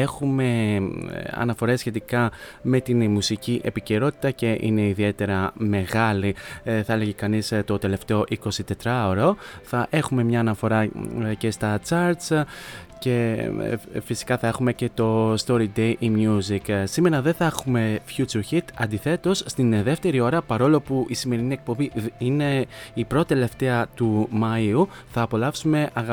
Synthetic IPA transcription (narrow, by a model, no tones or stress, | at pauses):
e̞xume̞ | ɐ̰nɐfo̞ɾe̞sçe̞t̪ikɐme̞t̪inmusiciʔe̞̰pice̞ɾo̞t̪i̥t̪ɐce̞ʔḭne̞iðie̞t̪e̞ɾɐme̞ɣɐliθɐele̞ʝekɐnist̪o̞t̪e̞le̞ft̪e̞o̞ʔiko̞sit̪e̞t̪ɾɐoɾoθɐʔe̞xume̞mɲɐːnɐfo̞ɾɐce̞st̪ɐt͡sɐɾt̪sce̞ | fisi̥kɐθɐe̞xume̞ce̞t̪o̞st̪o̞ɾid̪e̞jʔimjuziksime̞ɾɐðe̞θɐexume̞fçut͡suçit̪ɐnd̪iθe̞t̪o̞sːt̪inðe̞ft̪e̞ɾio̞ɾɐpɐɾo̞lo̞puʔisime̞ɾiniek̚po̞biine̞ipɾo̞t̪e̞le̞ft̪e̞ɐt̪umɐiu | θɐːpo̞lɐfsume̞ʔɐɣɐ